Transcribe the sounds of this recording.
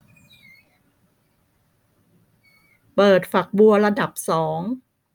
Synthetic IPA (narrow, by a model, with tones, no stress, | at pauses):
pɤː˨˩t̪̚fa˨˩k̚bu˧ɐɾa˧da˨˩p̚sɔː˩˦ŋ